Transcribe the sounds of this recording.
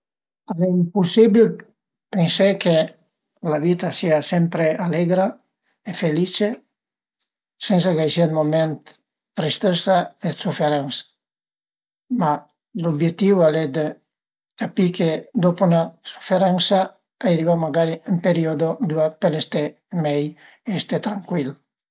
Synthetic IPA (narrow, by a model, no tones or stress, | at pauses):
aleimpusibil | penseke | laβit̪asiasempɾealeɡɾa | efelit͡ʃe | sens̬aɡajsilmoment̪ | t̪ːɾist̪esaesufeɾansḁ | ma | lobjet̪ːiwaled̪e | kapikʰed̪oponasu̥feɾansa | ajɾiβamaɡaɾiempeɾiod̪od̪uat̪̚pelest̪e | mɛj | eest̪et̪ɾaŋkwil